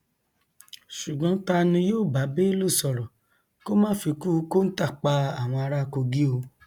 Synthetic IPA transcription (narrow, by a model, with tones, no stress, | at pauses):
ʃu˨ɡ͡bɔ̃˨˦ta˧nĩ˧joː˦˨ba˨˦be˦lo˦˨sɔ˨ɾɔ̃˨ | ko˦mãː˦fi˧ku˦ko˦n̩˦ta˦˨k͡pa˧a˦˨w̃ɔ̃˧a˧ɾa˦ko˧ɡi˦o˧